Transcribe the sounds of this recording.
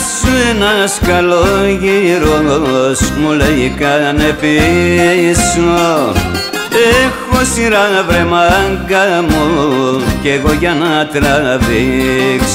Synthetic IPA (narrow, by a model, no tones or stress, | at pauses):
suenaskalojiɾoosmulejikanepi | so | exosiɾaabɾemaŋɡamokeɣojanat̪ɾaaβiks